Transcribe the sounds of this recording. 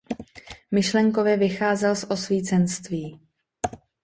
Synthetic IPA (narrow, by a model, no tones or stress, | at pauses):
mɪʃlɛŋko̞vɛːvɪxaːzɛlsʔo̞sviːt͡sɛnst̪viː